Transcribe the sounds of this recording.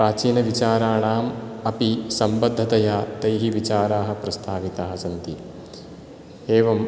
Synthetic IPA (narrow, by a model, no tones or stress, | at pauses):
ɾaːt͡ʃiːnɐʋit͡ʃaːɾaːɳaːmɐpisɐmbɐd̪ʱːɐt̪ɐjaːt̪ɐjɦiʋit͡ʃaːɾaːɦɐ̆pɾɐst̪ʰaːʋit̪aːɦɐsɐnt̪i | eːʋɐm